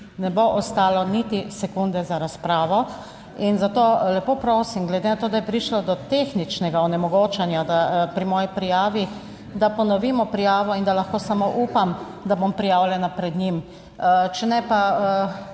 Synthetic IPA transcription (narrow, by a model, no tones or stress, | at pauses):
nɛboʔɔst̪aːlɔnit̪isɛkund̪ɛzaɾaspɾaːʋɔ | inzat̪oːlɛpoːpɾoːsimɡlɛd̪enat̪oːd̪ajɛpɾiʃlɔd̪ɔt̪eːxnit͡ʃnɛɡaɔnɛmɔɡoːt͡ʃɛnjad̪apɾimɔːjipɾijaːʋi | d̪apɔnɔʋiːmɔpɾijaːʋɔind̪alaxkoːsamoʔuːpam | d̪abompɾijaːwljɛnapɾɛd̪ɲim | t͡ʃɛnɛpaə